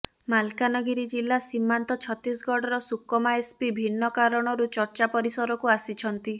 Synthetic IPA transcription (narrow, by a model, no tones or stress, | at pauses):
malkanɔɡiɾid͡ʒilːasimːant̪ɔt͡ʃʰɔt̪ɾisɡɔɽɔɾɔsukɔmaespibʱinːɔkaɾɔɽ̃ɔɾut͡ʃɔɾt͡ʃapɔɾisɔɾɔkuasit͡ʃʰɔnt̪i